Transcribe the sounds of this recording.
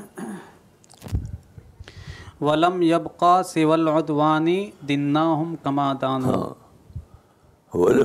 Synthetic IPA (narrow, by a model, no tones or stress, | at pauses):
wɐlɐmjɐbqɑːsɪwalʕʊd̪waːnid̪ɪnːaːɦʊmkɐmaːd̪aːna̰ː | hw